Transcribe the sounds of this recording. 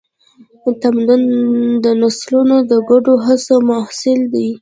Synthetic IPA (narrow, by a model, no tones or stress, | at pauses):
t̪amd̪d̪ənaslunod̪əɡaɖoɦasomahsɪld̪i